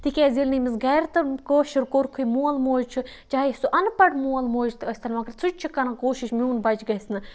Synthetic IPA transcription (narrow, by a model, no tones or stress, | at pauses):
t̪ikʲeːzʲilʲnimizɡɐjɾt̪ɨkoːʃiɾkoɾkʰujmuːɐlmoːd͡ʒt͡ʃʰɨ | t͡ʃaːsuʔɐnpɐʈmuːɐlmoːd͡ʒt̪ɨɐsʲt̪ʰɐnmɐkɐɾt͡sʰut͡ʃʲt͡ʃʰikɐnɐkoːʃiʃmʲuːnbɐt͡ʃɡɐsnɨ